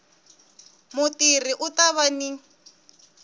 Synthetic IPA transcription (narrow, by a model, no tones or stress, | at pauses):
mʊtiriʔʊtaβani